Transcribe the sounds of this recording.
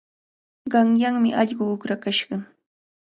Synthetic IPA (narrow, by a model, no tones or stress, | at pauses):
ɢɑŋjaŋmɪʔɑʎɢʊʊkɾakaʃɢɑ